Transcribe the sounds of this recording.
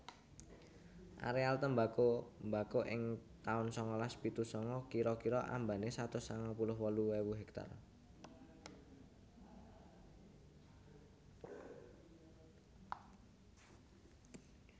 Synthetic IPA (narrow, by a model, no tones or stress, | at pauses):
ʔa̰ɾealt̪əmbakombakoʔɪŋt̪aʊnsɔŋɔlaspit̪usɔŋɔkiɾɔkiɾɔʔa̰mbanesat̪ʊsaŋɔpulʊhwɔluwewuɦɛk̚t̪a̰r